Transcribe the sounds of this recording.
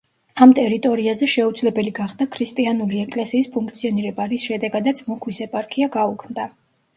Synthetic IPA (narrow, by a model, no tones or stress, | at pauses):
amt̪ʼɛɾit̪ʼɔɾiazɛʃɛud̪zlɛbɛliɡaχd̪akʰɾist̪ʼianuliɛkʼlɛsiːspʰuŋk̚t̪sʰiɔniɾɛbaɾisʃɛd̪ɛɡad̪at̪sʰʼmɔkʰwisɛpʼaɾkʼʰiaɡaukʰmd̪a